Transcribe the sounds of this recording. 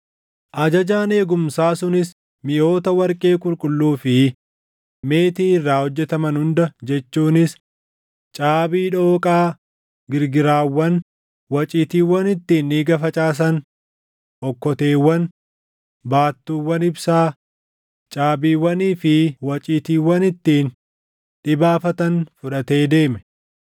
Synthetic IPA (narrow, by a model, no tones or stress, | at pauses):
ʔɐd͡ʒɐd͡ʒaːne̞ːɡʊmsaːsʊnɪs | mɪjo̞ːt̪ɐwɐɾkʼe̞ːkʼʊɾkʼʊlːuːfɪ | me̞ːt̪iːɪrːaːhɔd͡ʒːɛt̪ɐmɐnhʊnd̪ɐd͡ʒɛt͡ʃːuːnɪs | t͡ʃʼaːbiːᶑo̞ːkʼaː | ɡɪɾɡɪɾaːwːɐn | wɐt͡ʃʼiːt̪iːwɐnɪt̪ːiːnːiːɡɐfɐt͡ʃʼaːs̬ɐn | ʔɔkːɔt̪e̞ːwːɐn | baːt̪ːuːwːɐnɪbsaː | t͡ʃʼaːbiːwɐniːfɪwɐt͡ʃʼiːt̪iːwɐnɪt̪ːiːn | ᶑɪbaːfɐt̪ɐnfʊᶑɐt̪e̞ːd̪e̞ːmɛ̥